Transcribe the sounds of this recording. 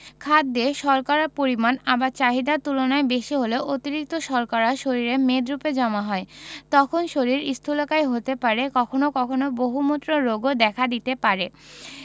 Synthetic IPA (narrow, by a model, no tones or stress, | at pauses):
kʰad̪ːeʃɔɾkaɾapoɾimanabaɾt͡ɕaɦid̪at̪ulonaebeʃiɦoleoʔot̪iɾik̚t̪oʃɔɾkaɾaʃoɾiɾemed̪ɾuped͡ʑɔmaɦɔet̪ɔkʰonʃoɾiɾist̪ʰulokajɦot̪epaɾekɔkʰonokɔkʰonoboɦumot̪ːɾoɾoɡod̪ɛkʰad̪it̪epaɾe